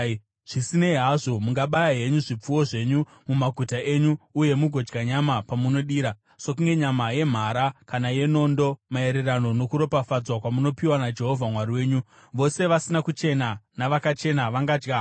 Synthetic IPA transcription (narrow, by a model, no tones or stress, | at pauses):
ʐ̥isineiɦaʐo̞muŋɡaɓajaɦe̞ɲuʐip͡fuwo̞ʐe̞ɲu | mumaɡʱutaʔe̞ɲuːje̞muɡʱo̞d͡ʒɡaɲamapamuno̞ɗiːɾa | sok̬uŋɡe̞ɲamaje̞m̤aɾakanaje̞no̞ndo̞mae̞ɾerano̞no̞kuɾo̞pafad͡zwakwamuno̞piwanad͡ʒe̞ɦo̞vʱamwaɾiwe̞ːɲu | ʋo̞se̞ʋasinakut͡ʃe̞nanaʋakat͡ʃe̞naʋaŋɡaːd͡ʒɡa